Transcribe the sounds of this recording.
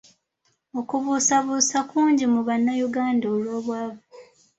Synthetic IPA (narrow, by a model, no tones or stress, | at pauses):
o̞kuβusaβuːsakuːɲɟimuβanːajuɡaːndaolwoːβwaːβa